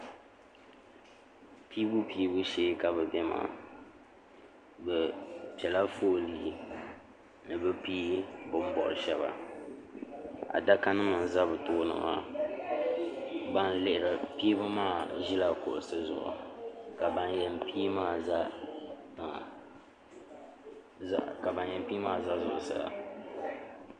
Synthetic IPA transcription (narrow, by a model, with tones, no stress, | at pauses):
piː˦bu˦pi˦bu˦ʃeː˦ka˨bɛ˨bɛ˦ma̰ː˨ | bɛ˨pi˨ɛ˨la˦foː˦˨liː˨ | nɨ˨bɨ˦piː˦bʊ˨m̩˦bɔ̰˨ɾɨ˨ʃɛ˦βa̰˨ | a̰˨da˦ka˦nɨ˦ma˨n˨za˦bɨ˨tʊː˦nɨ̰˨ma̰˦ | ba˦nlɪ˦ʔɪ˨ɾa˨piː˦bɨ˦maː˦˨ʒi˦la˦kʊ̰˨ʔʊ˨sɨ˦zʊ̰˨ʔʊ̰˨ka˨ba˨njɛ˨mpi˦maː˦za˦˨ | ka˨ba˨njɛ˨m˦piː˦maː˦˨za˦zʊ˨ʔʊ̰˨sɨ̰˨la̰˨